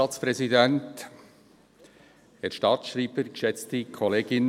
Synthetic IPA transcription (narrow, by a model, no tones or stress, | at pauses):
ɑːt͡spɾɛzidɛnt | ɛːɾʃtɑːtʃriːbəɾɡəʃɛt͡stikʰoleːɡɪn